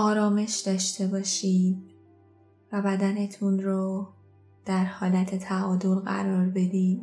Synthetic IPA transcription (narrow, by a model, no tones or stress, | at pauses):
ʔɒːɾɒːme̞ʃd̪ɒːʃt̪e̞bɒːʃiːd | væbæd̪æne̞t̪ʰunɾo | d̪̥æɾhɒːlæt̪ʰe̞t̪ʰæɒːd̪o̞lɣæ̰ɾɒːɾbe̞d̪iːm